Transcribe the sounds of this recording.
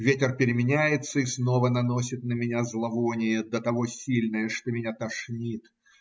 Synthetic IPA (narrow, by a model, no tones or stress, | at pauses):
vʲetʲɪrpʲɪɾʲɪmʲɪnʲæjɪt̪səisno̞vənɐno̞sʲɪt̪̚nəmʲɪnʲazlˠɐvonʲɪjəd̪ət̪ɐvo̞sʲilʲnəjəʂt̪omʲɪnʲat̪ɐʂnʲit̪